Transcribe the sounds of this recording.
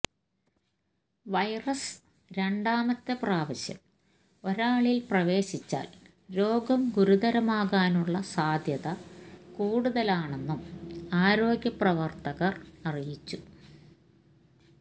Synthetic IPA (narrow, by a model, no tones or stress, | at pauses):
ʋɐjrɐs | ɾe̞ɳɖaːmɐt̪ːepraːʋɐɕjɐ̰m | o̞ɾaːɭilprɐʋe̞ːɕit͡ɕːa̰ːl | ɾo̞ːɡɐmɡuɾuðɐɾɐmaːɣaːnuɭːɐsaːd̪ʱjɐðɐkuːɽuðɐlaːɳenːumaːɾo̞ːɡjɐprɐʋɐrt̪ɐɣɐrɐrijit͡ɕːu